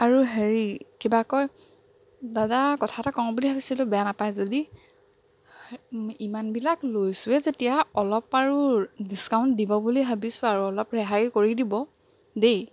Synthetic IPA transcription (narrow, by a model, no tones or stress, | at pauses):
aɹuɦeɹikibakɔj | dadakɔtʰatakɔŋɔbuliɦabisilʊbɛjanapajzodi | imanbilaklojsʊɛzetijaɔlɔpaɹudiskaʊntdibɔbuliɦabisʊ̃aɹuɔlɔpɹɛɦakoɹidibɔ | de